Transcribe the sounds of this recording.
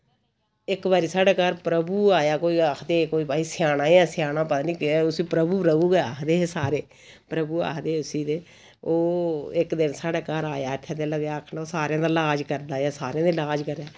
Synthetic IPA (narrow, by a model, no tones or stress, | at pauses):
ɪkʋaːɾiːsaːɽeːkaːɾpɾəbuːaːjaːkoːiːaːkʰd̪eːkoːiːpaːiːsɪjaːnãːiɛːsɪjaːnãːpət̪aːnĩːkːʊsiːpɾəbuːpɾəbuːɡeːaːkʰd̪eːesaːɾeː | pɾəbuːa̰ːkʰd̪eːʊsiːd̪eː | oːɪkd̪ɪnsaːɽeːkaːɾaːjaːt̪ʰːãːd̪eləɡjaːkʰnaoːsaːɾeãːd̪aːlaːd͡ʒkəɾd̪aːjaːsaːɾeãːd̪eːlaːd͡ʒkəɾɛː